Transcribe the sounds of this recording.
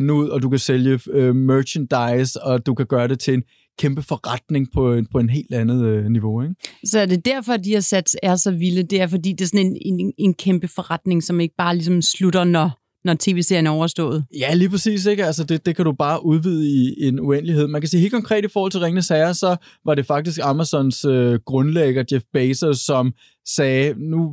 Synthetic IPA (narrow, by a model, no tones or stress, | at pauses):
nəuð̞̰ˠɒ̽d̥ukæseljəømøːɕʰənd̥ɑ̈ɪsɒ̽d̥ukʰæɡ̥ɶːɐɾe̝t͡sʰe̝le̝n | kʰemb̥əfɒʁɑd̥ne̝ŋpʰɒ̽epʰɒ̽e̝nɦe̝̰ːld̥ænð̩ˠøniʋo̝eɡ̥sɒ̽æɐd̥e̝d̥æɐ̰fɒ̽d̥ihæsæd̥sæɐsɒ̽ʋiləd̥e̝æɐfɒ̽dḭːd̥e̝sɒ̽ne̝nene̝nkʰemb̥əfɒ̽ʁad̥ne̝ŋsɒ̽me̝ɡ̥əb̥ɑ̈ːlis̬ɒ̽msluɾ̥ɐnɒ | nɒt͡sʰe̝̰ːʋe̝ːseɐ̰jənæɐɒʊɐsd̥ɔ̰̽ːð̩ˠjæliːpʰʁɐsḭːs̬eɡ̥ælsəd̥e̝d̥e̝kʰæɾub̥ɑ̈ːʔuðˠʋiːð̞ˠəie̝nuen̰lihe̝ð̞̰ˠmænkʰæsḭːe̝ːlkʰɒ̽ŋkʰʁɛ̰ːd̥ifɒɔːhɒl̰t͡sʰe̝lʁeŋənəsɛɪɐsɒ̽ | ʋɑ̈ɾ̥e̝fɑ̈ɡ̥̚d̥isɡ̥ɑ̈mæsɒ̽nsøɡ̥ʁɔ̽nleɡ̥ɐd̥jefb̥eɪsɐsɒ̽m | sɛːnu